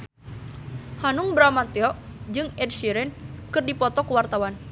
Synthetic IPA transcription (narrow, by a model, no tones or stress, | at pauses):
hanuŋbɾamant̪iɔʔd͡ʒɨŋɛdʃiɾɛnkɨrdipɔt̪ɔkuwart̪awan